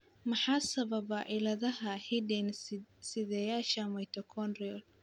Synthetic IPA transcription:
mɑħɑːsɐβɐβɐʔɪlɐðɐɦɐhɪdɛnsɪðɛːjaːʃɐmɐjt̪ʰɔkʰɔnriɔl

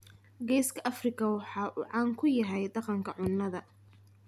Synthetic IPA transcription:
ɡɛːskʰɐʔɐfrɪkʰɐwɑħɑːʔuːʕɑːŋkʰʊjɐɦɛjd̪ɑqɑŋkʰɐʕʊnːɐðɐ

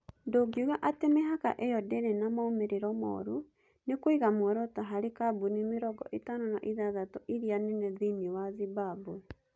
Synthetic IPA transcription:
ndoːɡioɣaʔatemeɦaka̰ʔejɔdeɾenamaomeɾeɾɔmɔ̰ɾu | nekoiɣamoɾɔtaɦaɾekabunimeɾɔɡɔʔetanonaʔiðaðatɔʔiɾianɛnɛðiniwaðibabu

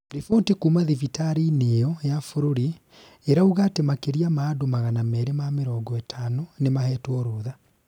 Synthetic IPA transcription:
ɾifotikuːmaðifitaɾiːneɔjafoɾoɾi | eɾauɣatemakeɾiamaːdomaɣanamɛɾemameɾɔɡɔɛtʰanɔnemahɛtwɔɾoːða

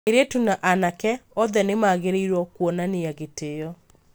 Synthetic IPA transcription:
eɾetunaʔanakɛɔðɛnemaːɣeɾeiɾwɔkwɔnaneaɣeteɔ

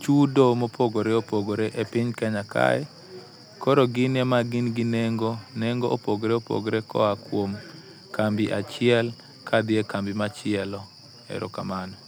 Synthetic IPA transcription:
t͡ʃudomopʰoɡoɾɛopoɡoɾeʔepɪɲkɛɲakʰa̰ɛ | kɔɾɔɡɪnɛmaɡɪnɡɪneŋɡonɛŋɡoʔopoɡɾɛopo̰ɡɾɛkɔ̰akwom | kambɪʔat͡ʃɪɛl | kʰad̪ɪekambɪmat͡ʃɪɛlɔ | ɛ̰ɾɔ̰kamanɔ

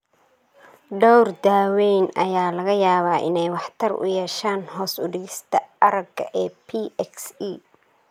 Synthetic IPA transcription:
ɖɔwrd̪aːwɛjnɐjaːlɐɣɐjaːβaːʔɪ̰nɛjwɑħt̪ʰɐrʔʊ̰jɛːʃaːnɦɔːsʊdɪɣɪst̪ʰɐɐɾɐɡɡɐʔɛːpʰiɛksiː

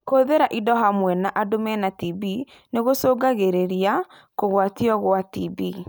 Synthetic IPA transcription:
koðeɾaʔidɔɦamwɛnaʔadomɛnatibi | neɣosoːɡaɣeɾeɾia | koɣwatiɔɣwatibi

